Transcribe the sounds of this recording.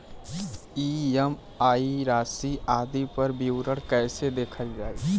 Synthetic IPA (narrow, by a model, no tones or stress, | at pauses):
iem | aiɾasiʔad̪ipəɾbiwɾəɽkəɪsed̪ekʰəld͡ʒaj